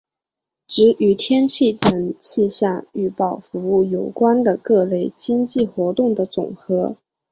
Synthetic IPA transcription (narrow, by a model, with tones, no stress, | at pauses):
ʈ͡ʂɻ̩˧˥y˧˩t̪ʰjɛ˥nt͡ɕʰi˥˩t̪ə˧˥ŋt͡ɕʰi˥˧ɕja˥˧ŋy˥˧pɑ˥˩ʊfu˧˥u˥˩jo˨˩ʊkwa˥nd̪ə˨kɤ˥˧le˥˩ɪt͡ɕi˥ŋt͡ɕi˥˩xwɔ˧˥t̪ʊ˥˩ŋd̪ə˩t͡sʊ̰˨˩ŋxɤ˧˥